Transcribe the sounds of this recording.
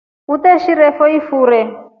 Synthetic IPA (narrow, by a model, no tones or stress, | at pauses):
ut̪ɛʃiɾɛfɔifuːɾɛ